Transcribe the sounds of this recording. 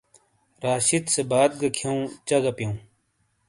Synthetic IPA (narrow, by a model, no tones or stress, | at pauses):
ɾaːɕit̪sebaːd̪̚ɡɐkʰjɐũt͡ɕɐɡɐpjɐũ